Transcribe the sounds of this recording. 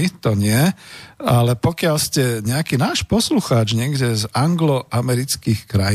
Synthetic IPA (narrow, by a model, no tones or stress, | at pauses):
it̪ɔɲɪɛ | alɛpɔkɪalscɛɲɛakiːnaːʃpɔsluxaːd͡ʒɲɪɛɡɟɛzaŋɡlɔʔamɛɾit͡skiːxkɾa